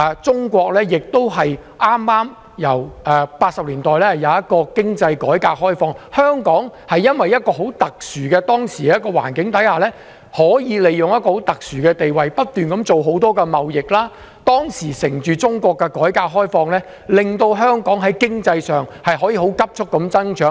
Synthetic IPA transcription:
ɛ˨˧t͡sʊ˥ŋkʷɔː˧k̚lɛː˥jɪ˨k̚t̪o˥wɦɐ˨jʔaː˥mːaː˥m | jɐ˨˩wʔɛ˨paː˧t̚sɐ˨p̚liː˨˩nt̪ɔː˨jlɛː˥hɐ˨˩jɐ˨˧wjɐ˥t̚kɔː˧kɪ˥ŋt͡sɐ˧jkɔː˨˥jkaː˧k̚hɔː˥jfɔː˧ŋhœː˥ŋkɔː˨˥ŋhɐ˨jːɐ˥nwɐ˨jːɐ˥t̚kɔː˧ɦo˨˥wt̪ɐ˨k̚syː˨˩kɛː˧t̪ɔː˥ŋsiː˨˩˨kːɔː˧wa̰ː˨˩nkɪ˨˥ŋt̪ɐ˨˥jhaː˨lɛː˥ | hɔː˨˥jiː˨˧le˨jjʊ˨ŋjɐ˥t̚kɔː˧ho˨˥wt̪ɐ˨k̚syː˨˩kɛː˧t̪e˨jwɐ˨jpɐ˥t̚t̪yː˨nkɐ˨˥mt͡ʃo˨wɦo˨˥wt̪ɔː˥kɛː˧mɐ˨wjɪ˨k̚laː˥ | t̪ɔː˥ŋsiː˨˩sɪ˨˩ŋt͡ʃyː˨t͡sʊ˥ŋkɔː˧kːɛ˧kɔː˨˥jkaː˧k̚ɦɔː˥jfɔː˧ŋlɛː˥ | lɪ˨ŋt̪o˧wɦœː˥ŋkɔː˨˥ŋɦɐ˨˥jkɪ˥ŋt͡sɐ˧jsœː˨ŋhɐ˨jɦɔː˨˥jiː˨˧ɦo˨˥wkɐ˥p̚t͡ʃʰʊ˥k̚kːɐ˨˧mt͡sɐ˥nt͡ʃʰœː˨˥

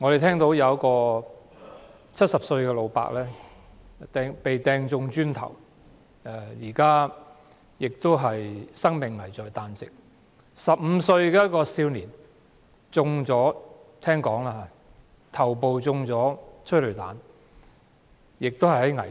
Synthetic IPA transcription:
ŋɔ˨˧ɾe˨jt̪ʰɛː˥ŋt̪o˨˥wjɐ˨˧wkɔː˧ | t͡sʰɐ˥t̚sɐ˨p̚sɵ˧ɥkɛː˧lo˨˧wpa̰ː˧k̚lɛː˥ | t̪ɛː˧ŋpe˨jt̪ɛː˧ŋt͡sʊ˧ŋt͡ʃyː˥nt̪ʰɐ̰˨˩w | ɛ˨˧jiː˨˩kaː˥ | jɪ˨k̚t̪o˥wɦɐ˨jsɐ˥ŋmɪ˨ŋːɐ˨˩jt͡sɔː˨jt̪aː˧nt͡sɪ˨k̚ | sɐ˨p̚m̩˨˧sɵ˧ɥkɛː˧˥t̚kɔː˧siː˧wniː˨˩n | t͡sʊ˧ŋt͡sɔː˨˥t̪ʰɛː˥ŋkɔː˨˥ŋlaː˧ɦa˨˧˦ | t̪ʰɐ˨˩wp̬o˨wt͡sʊ˧ŋt͡sɔː˨˥t͡ʃʰɵ˥lɵ˨˩t̪aː˨˥n | jɪ˨k̚t̪o˥whɐ˨jhɐ˨˥jŋɐ˨˩

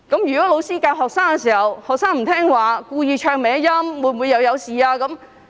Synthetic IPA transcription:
kɐ˨˥mjyː˨kɔː˨˥lo˨˧wsiː˥kaː˧wɦɔː˨k̚saː˥ŋkɛ˧siː˨˩hɐ˨˩whɔː˨k̚saː˥ŋm̩˨˩t̪ʰɛː˥ŋwaː˨kuː˧jiː˨˧t͡ʃʰœː˨˧ŋmɛː˨˥ŋjɐ˥mwuː˨˧jm˨wuː˨˧jɐ˨˧wjɐ˨˧wsiː˨aː˧kɐ˨˥m

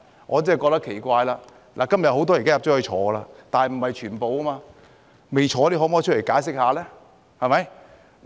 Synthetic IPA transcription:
ŋʔɔː˨˧t͡sɛː˥˨kɔ˧k̚t̪ɐ˥kʰe˨˩jkʷaː˧jlaː˧ | lʔa̰˨˩kɐ˥mjɐ˨t̚ho˨˥wt̪ɔː˥jkaː˥jp̚t͡ʃɔː˨˥hɵ˧t͡ʃʰɔː˨˧ɡə˧laː˧t̪aː˨nhɐ˨jm̩˨˩hɐ˨jt͡ʃʰyː˨˩npo˨˧wɐ˥maː˧ | me˨jt͡ʃʰɔː˧li˦˥ɦɔː˨˥mɔː˧˥t͡ʃ̚ʰle˨˩jkaː˨˥jsɪ˥k̚haː˧lɛː˥ | hɐ˨˩mɐ˨˦j

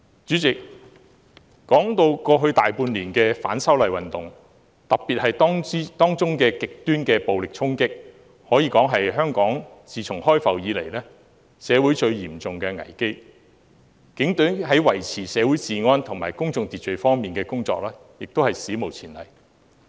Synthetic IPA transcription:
t͡ʃyː˨˥t͡sɪ˨k̚ | kɔː˨˥ŋt̪o˧wkɔː˧ɦɵ˧ɥt̪aː˨jpuː˧nliː˨˩nkɛː˧fa̰ː˨˥nsɐ˥wlɐ˨jwɐ˨nt̪ʊ˨ŋ | t̪ɐ˨p̚pi˨t̚hɐ˨jt̪ːt̪ɔː˥ŋt͡sʊ˥ŋkɛː˧kɪ˨k̚t̪yː˥nkɛː˧po˨wlɪ˨k̚t͡sʰʊ˥ŋkɪ˥k̚ | hɔː˨˥jiː˨˧kɔː˨˥ŋɦɐ˨jɦœː˥ŋkɔː˨˥ŋsiː˨t͡sʰʊ˨˩ŋɦɔː˥jfɐ˨˩wjiː˨˧lḛ˨˩jlɛː˥ | sɛː˨˧wuː˨˥jt͡ʃɵ˧ɥjiː˨˩mt͡sʊ˨ŋkɛː˧ŋɐ̰˨˩jke˥j | kɪ˨˥ŋt̪œ˨˥ɦɐ˨˥jwɐ˨˩jt͡sʰiː˨˩sɛː˨˧wuː˨˥jt͡siː˨ŋɔː˥nt̪ʰʊ˨˩ŋmaː˨˩jkʊ˥ŋt͡sʊ˨ŋt̪i˨t̚t͡ʃɵ˨˧ɥfɔː˥ŋmiː˨nkɛː˧kʊ˥ŋt͡sɔ̰ː˧k̚lɛː˥ | jɪ˨k̚t̪whɐ˨jsiː˨˥mo˨˩wt͡sʰiː˨˩nlɐ̰˨˩j

